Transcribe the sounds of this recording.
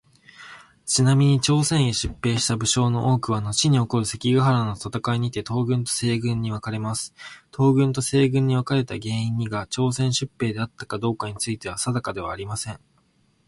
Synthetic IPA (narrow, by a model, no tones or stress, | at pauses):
t͡ɕinamʲiɲ̟it͡ɕo̞ːsẽ̞ɰ̃eɕɨpːe̞ːɕi̥t̪abɯ̟ɕo̞ːno̞ʔo̞ːkɯ̟βano̞t͡ɕiɲ̟io̞ko̞ɾɯ̟se̞kʲiɡaɦaɾano̞t̪at̪akaiɲ̟it̪e̞t̪ʰo̞ːɡɯ̟̃nt̪o̞̥se̞ːɡɯ̟̃ɲ̟ːiβakaɾe̞masɨ̥t̪ʰo̞ːɡɯ̟̃nt̪o̞se̞ːɡɯ̟̃ɲ̟ːiβakaɾe̞t̪aɡe̞ːĩɲ̟ːiɡat͡ɕo̞ːsẽ̞ɰ̃ɕɨpːe̞ːd̪e̞at̪ːakad̪o̞ːkaɲ̟it͡sɨit̪e̞βasad̪akad̪e̞β̞a̰ːɾʲimasẽ̞ŋ